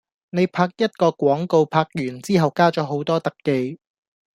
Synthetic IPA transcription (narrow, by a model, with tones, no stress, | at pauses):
ne˨˧jpʰaː˧k̚jɐ˥t̚kɔː˧kʷwɔː˨˥ŋko˨˧wpʰaː˧k̚jyː˨˩nt͡siː˥ɦɐ˨wkaː˥t͡ʃɔː˨˥ɦo˨˥wt̪ɔː˥t̪ɐ˨kːe˨˧j